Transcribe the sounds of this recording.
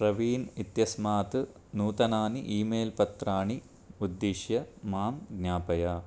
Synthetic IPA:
prɐʋiːnit̪jɐsmaːt̪ɨ | nuːt̪ɐnaːniʔiːmeːlpɐt̪ɾraːɳi | ud̪ːiʂjɐmaːmɡɲaːpɐjɐ

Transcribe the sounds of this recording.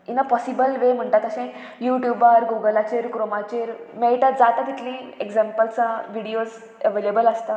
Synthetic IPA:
inapɔsibəlʋem̤əɳʈ̪at̪əɕẽ | juʈjubaɾɡuɡəlat͡ɕeɾkɾomat͡ɕeɾmeɭʈ̪ad͡zat̪at̪it̪lĩeɡzempəlt͡saʋiɽios | əʋelebələst̪a

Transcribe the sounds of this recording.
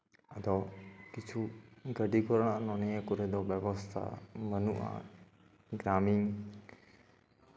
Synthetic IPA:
əd̪ɔkit͡ʃʰuɡəɖikɔɾɽ̃aʔnɔnijəkuɾɛd̪ɔbəʋɔst̪ʰa̰bənuʔa̰ | ɡɾamiŋ

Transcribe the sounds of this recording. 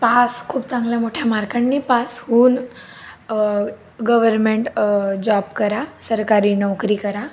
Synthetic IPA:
paskʰuːbt͡sãŋɡlɛ̃moʈʰjamaɾkəɳːipashuːn | ɡəʋəɾmeɳʈd͡ʑɔbkəɾasəɾkaɾiːnəʋkɾiːkəɾa

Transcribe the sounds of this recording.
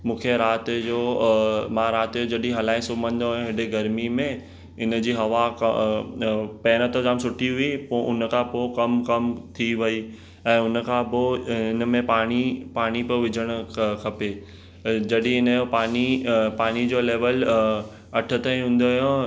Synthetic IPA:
mũːkʰeɾaːt̪d͡ʑoːmãɾaːt̪jod͡ʑɐɗĩɦɐlaːĩsʊmə̃nd̪ɦojõɦɪɖeɡɐɾmimẽ | ɪnə̆d͡ʑiːɦɐʋak | pɛːñət̪əzaːmsʊʈʰiɦʊipoʔʊnəkʰãpokɐmkɐmt̪ʰiʋɐi | ɛ̃ːʊn̆kʰãːpoɪnə̆mẽpaːɽ̃ipaːɽ̃ipoʋɪd͡ʑʱəɽ̃̆kʰɐpe | d͡ʑɐɗĩɪnjopaːnipaːɽ̃id͡ʑoːleːʋəl | ɐʈʰə̆t̪aĩɦũːnd̪ojõ

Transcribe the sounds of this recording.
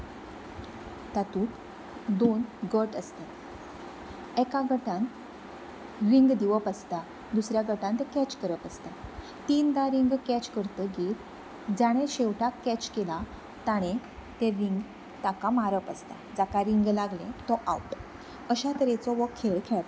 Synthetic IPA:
t̪at̪uːk | d̪onɡəʈəst̪a | ɛkaɡəʈãn | ʋiŋɡd̪iʋəpəst̪a | d̪usɾjaɡəʈãnt̪ɛkɛt͡ɕkəɾəpəst̪a | t̪iːnd̪aɾiŋɡkɛt͡ɕkəɾt̪əɡiɾ | d͡zaɽ̃ẽɕeʋʈakɛt͡ɕkela | t̪aɽ̃e | t̪eʋiŋɡ | t̪akamaɾəpəst̪a̰d͡zakaɾiŋɡlaɡlẽt̪ɔʔa̰wp | əɕat̪əɾet͡sɔʋəkʰːeɭkʰɛɭ

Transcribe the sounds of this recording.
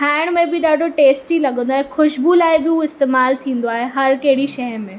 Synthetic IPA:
kʰaːɪɽ̃mẽbɪɗaːɖʱoʈeːsʈilɐɠə̃nd̪oaːɦexʰʊʃbulaːɪbɪuɪst̪eːmaːlt̪ʰĩːnd̪oaːɦeɦɐɾkɐɦɪɽiʃɐɦmẽ

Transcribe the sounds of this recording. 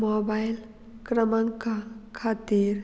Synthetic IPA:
mobajl | kɾəməŋkakʰat̪iɾ

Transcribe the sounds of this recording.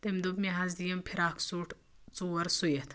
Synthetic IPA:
t̪emd̪ubmiɦazd̪ijɐmpʰiɾaːkʰsuʈʰ | t͡suːɐɾsujet̪

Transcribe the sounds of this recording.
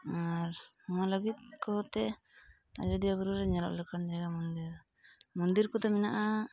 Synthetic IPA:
aɾ | ɔmaləɡit̪̚kɔt̪ɛ | a̰d͡ʒɔd̪iɔɡɔɾuɾɛɲalɔ̰ʔlɛkand͡ʒaɡamɔnd̪iɾ | mɔnd̪iɾkɔt̪ɛmɛnaʔa

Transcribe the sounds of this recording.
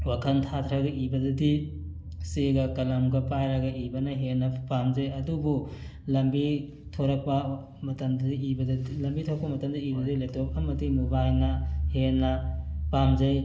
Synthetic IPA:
wakʰɐntʰatʰɾɐɡɐʔibɐdɐdi | seɡɐkɐlɐmɡɐpajɾɐɡɐʔibɐnɐɦenːɐpamzɐjɐdubu | lɐmbi | tʰoɾɐk̚pɐ | mɐtɐmdibɐdlɐmbitʰoɾɐk̚pɐmɐtɐmdɐibɐilɐjtop̚ɐmɐdimubajnɐhenːɐpamzɐj

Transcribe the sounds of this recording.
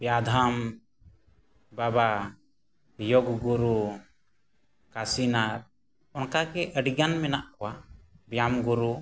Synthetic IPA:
bjad̪ʱam | baba | jɔɡɡuɾu | kasinaɾ | ɔnkakɛʔəɖiɡanmɛnaʔkɔwabjamɡuɾu

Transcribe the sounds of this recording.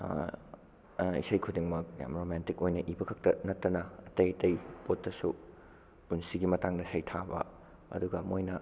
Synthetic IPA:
ḭsɐjkʰudiŋmɐk̚ja̰mɾomantikojnɐʔibɐkʰɐk̚tɐnɐtːɐnɐɐtɐjɐtɐjpotːɐsu | punsiɡimɐtaŋdɐsɐjtʰabɐ̰ | ɐ̰duɡɐmojnɐ

